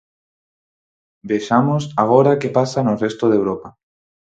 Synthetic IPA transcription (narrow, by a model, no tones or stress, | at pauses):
beʃamosaɣ̞oɾakepasanʊrest̪oðewɾopa